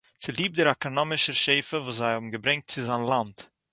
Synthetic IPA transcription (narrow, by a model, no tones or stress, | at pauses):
t͡sɪlˠiːp̚dɪɾakɔnɔmɪʃəʃeɪfəvuːs̬zaɪhɔbm̩ɡəbɾɛŋk̚tt͡sɪzanlˠant